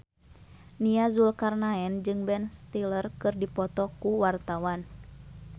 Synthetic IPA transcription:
niazulkarnaɛnd͡ʒɨŋbɛnst̪ilərkɨrdipɔt̪ɔkuwart̪awan

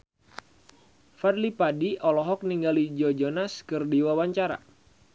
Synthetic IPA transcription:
fadlipadiʔɔlɔɦɔk̚niŋɡalid͡ʒɔd͡ʒɔnaskɨrdiwawaɲt͡ʃaɾa̰

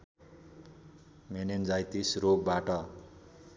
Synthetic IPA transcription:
menend͡zajt̪isrok̚baʈʌ

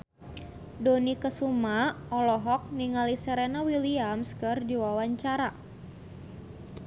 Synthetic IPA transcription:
donikəsuma | ɔlɔɦɔk̚niŋalisəɾɛnawiliamskɨrdiwawaɲt͡ʃaɾa

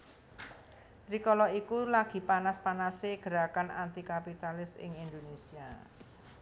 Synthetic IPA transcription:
rikɔlɔikulaɡ̥i̤panaspanaseɡ̥əɾakana̰nt̪ikapit̪alɪsɪ̰ŋind̪onesia

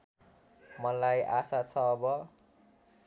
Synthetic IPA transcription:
mʌlajʔasat͡sʰʌːbʌ

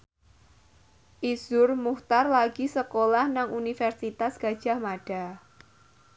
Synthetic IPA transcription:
ʔisʊrmuht̪arlaɡ̥isəkolahnaŋʔunifɛrsit̪asɡ̥a̤d̥ʒ̥a̤hmaɖ̥a

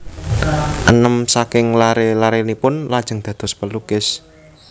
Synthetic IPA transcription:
ʔənəmsakɪŋlaɾelaɾenipʊnlad̥ʒ̥ə̤ŋd̪̥ä̤d̪̥ɔ̤spəlukɪs

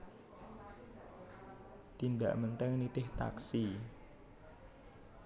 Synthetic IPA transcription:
t̪ind̪ä̰ʔmənt̪ɛŋnit̪ɪht̪a̰ksi

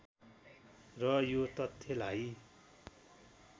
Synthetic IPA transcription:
rʌjot̪ʌt̪ʰːelaj

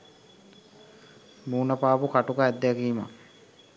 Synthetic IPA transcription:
muːnəpaːpukaʈukaɛd̪ːeakiːma̰

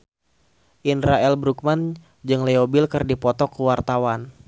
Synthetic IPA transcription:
ʔinɾaɛlbɾuk̚man | d͡ʒɨŋleobilkɨrdipɔt̪ɔkəwart̪awan

